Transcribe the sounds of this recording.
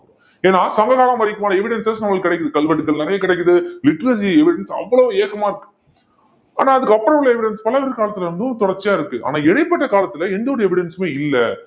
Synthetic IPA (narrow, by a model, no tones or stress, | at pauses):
eːnːaːsɐŋɡɐɣaːlãːmɐɾɪkːɯmaːnɐɛʋɪɽɛnsɐsnɐmːɐɭkːɪɽɛkːɯðɯkɐlʋɐʈːɯkːɐɭnɪɾɐjɐkɪɽɛɪkːɯðɯlɪʈːɾɐs̬iɛʋɪɽɛnsɐ̰ʋːɐɭoːeːɣɐmaːɪɾɯkːɯ̥ | aːnaːɐðɯkːɯɐpːɯɾɐʋlɐɛʋɪɽɛnspɐlɐʋɐɾkaːlɐt̪ːɪlɐɾɐnd̪ɯ̃t̪ɔɽɐɾt͡ʃːjaːɪɾɯkːɯʔa̰ːnaːɛɽɐɪpːɐʈːɐkaːlɐt̪ːɪlɐɛnd̪ɐɔɾɯɛʋɪɽɛnsmeːɪlːɐ